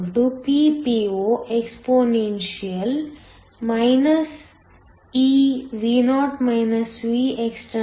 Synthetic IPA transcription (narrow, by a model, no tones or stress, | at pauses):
ʈupipioːʔekspoːnenʃiɐl | mɐjnɐs | iʋinɔːʈmɐjnɐsʋieksʈɐ